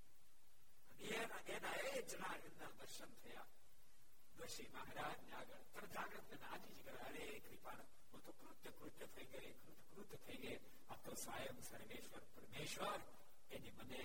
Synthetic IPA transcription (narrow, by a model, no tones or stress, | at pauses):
ɐnie | enaed͡ʒɐnaːɾjunnad̪əɾʃənt̪ʰɐjaː | d̪ɐʃimɐɦaɾaːd͡ʒnaːɡəɽt̪ɐnd͡ʒaːɡɾət̪nenaːd͡ʒ̪id͡ʒɡɐɾɐɾe | kɾipaːɽ | ot̪ʰokɾut̪jəkɾut̪jət̪ʰɐiɡɐjekɾut̪kɾut̪ːt̪ʰɐiɡəe | aːp̚t̪osʋaːjəmsɐɾmeːʃʋəɾpɐɾmeːʃʋəɾ | eniməne